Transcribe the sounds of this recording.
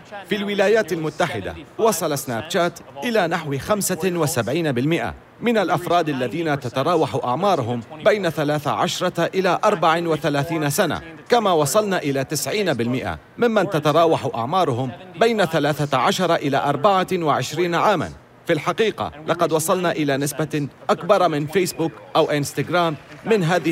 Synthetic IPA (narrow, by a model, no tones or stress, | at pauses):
filwɪlaːjaːt̪almʊt̪ːaħɪd̪a̰wɑsˤɑlasnaːb̚t͡ʃaːt̪ʔɪlaːnaħwxamsawɪsabʕiːnabɪlmɪʔa̰ | mɪnalʔafɾˤɑːd̪alːaðiːnat̪at̪ɑɾˤɑːwaħʊʔaʕmɑːɾˤʊɦʊmbajnaθalaːθa̰ʕaʃɾˤɑʔɪlaːʔɑɾˤbaʕɪnwɪθalaːθiːnasana̰ | kamaːwɑsˤɑlnaːʔɪlaːt̪ɪsʕiːnabɪlmɪʔa̰ | mɪmːant̪at̪ɑɾˤɑːwaħʊʔa̰ʕmɑːɾˤʊhʊmbajnaθalaːθaʕaʃɑɾˤɑʔɪla̰ːʔɑɾˤbaʕawɪʕɪʃɾiːnaʕaːma̰n | filħaqiːqɑ̰lʔɑqɑd̪wɑsˤɑlnaːʔɪlaːnɪsbaʔakbɑɾˤɑmɪnfejsbʊːkʔawʔɪnst̪aɡɾaːmːɪnɦaːðɪ